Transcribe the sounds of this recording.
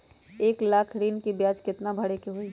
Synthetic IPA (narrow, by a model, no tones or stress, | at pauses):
eːklaːkʰɾiːnkibjaːd͡ʒkɪt̪nabʱɐɽekiɦoiː